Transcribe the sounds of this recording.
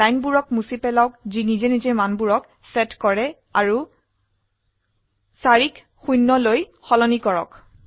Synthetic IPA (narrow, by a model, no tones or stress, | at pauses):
ajnbuɹɔkmusipɛlawk̚zinizɛnizɛmanbuɹɔk | sɛtkɔɹɛ | aɹu | saɹik | xujnːɔlojxɔlɔnikɔɹɔ̰k